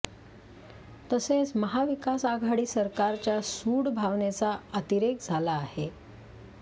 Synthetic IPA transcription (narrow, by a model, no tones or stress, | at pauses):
t̪əset͡sməɦaʋikasaɡʱaɽiːsəɾkaɾt͡ɕjasuːɽbʱaʋnet͡saət̪iɾekd͡zʱalaːhe